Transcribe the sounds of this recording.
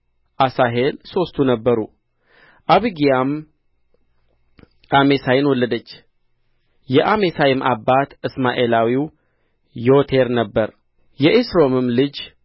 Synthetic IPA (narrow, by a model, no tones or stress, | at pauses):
ʔasaɦe̞lso̞st̪ʰunəbːəɾu | ʔaβɨɡijam | ʔamesajɪnwɔlːəd̪ət͡ʃː | jɛʔamesajɪmʔa̰bːat̪ɨsmaʔelawiw | jo̞t̪ʰe̞ɾnəbːəɾ | jɛʔesɾo̞mɨmlɨd͡ʒ